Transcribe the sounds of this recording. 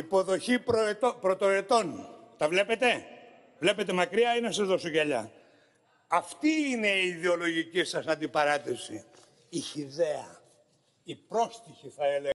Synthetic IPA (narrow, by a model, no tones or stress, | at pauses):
ipo̞ðo̞çipɾot̪opɾo̞t̪o̞et̪o̞nt̪ɐvle̞pe̞t̪e̞ | vle̞pe̞t̪e̞mɐkɾiɐinɐsɐzðo̞so̞ʝɐʎɐ̰ | ɐft̪iine̞iːðeo̞lo̞ʝicisɐsɐnd̪ipɐɾɐt̪esi | içiðe̞ɐ | ipɾo̞st̪içiθɐe̞le